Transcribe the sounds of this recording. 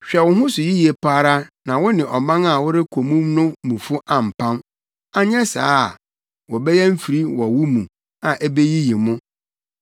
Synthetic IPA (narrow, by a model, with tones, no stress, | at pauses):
ɕᶣɛ˨wʊ̃˦ɦʊ̃˦sʊ˨ji˦ji˨e˨pʰaː˦ɾa˦nã˨wʊ˦nɪ̃˨ʔɔ˨mã˦ŋa˨wʊ˦ɾɪ˦kʰo˨mũ˦mnʊ̃˦mũ˨fʊ˦ʔã˨m̩˨pʰã˦n | a˦ɲ˦ɛ̃˦sa̰ː˦˨ | wɔ˨bɛ˦jɛ˦m̩˦fi˨ɾi˦wɔ˨wʊ˦mũ˨ | a˨ʔɛ˦be˦ji˦ji˨mʊ̃˦